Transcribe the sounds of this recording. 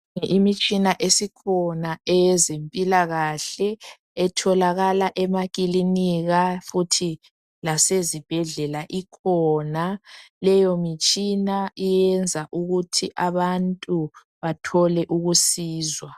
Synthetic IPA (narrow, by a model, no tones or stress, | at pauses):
ŋʔimit͡ʃʼinaʔesikʰɔnaɛzempʼilaɣaɬɛː | tʰɔlaɣalaʔɛmaɣʼiliniɣafutʰi | lasezib̥ʱɛɮɛlaʔikʰɔːnalɛjɔmit͡ʃʼinaijɛnd͡zʱaʔuɣutʰiʔaβantʼu | βatʰɔlɛʔuɣusiːzwa